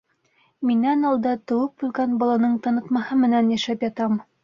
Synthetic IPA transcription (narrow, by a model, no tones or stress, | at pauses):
minːænɑlˠd̪ɑt̪ɤ̆wɤp̚bʉlɡænbɒlˠɑnɤɴt̪ɑnɤ̆t̪mɑhɤmɘ̆nænjæʃæpjɑt̪ɑm